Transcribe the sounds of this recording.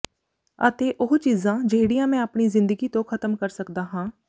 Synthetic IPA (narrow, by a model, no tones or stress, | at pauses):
ət̪eːʔʊɦt͡ʃiːzãːd͡ʒeːɽijãːmɛ̃ːəpɳiːzɪ̃nd̪əɡiːt̪õːkʰət̪əmkəɾsəkd̪aːɦãː